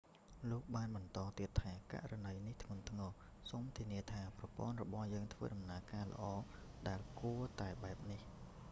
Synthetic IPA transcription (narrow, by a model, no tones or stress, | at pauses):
loːk̚ɓaːnɓɑnt̪ɑːt̪iət̪ʰːaːka̰ʔranəjniht̪ʰŋʊ̆ənt̪ʰŋɑː | soːmt̪ʰiəniət̪ʰaːprɑpŏənrɔ̰ɓɑhjəːŋt̪ʰʋə̰ːɗɑmnaəkaːlə̰̆ʔɑːɗaɛlkuət̪aɛɓaɛp̚nih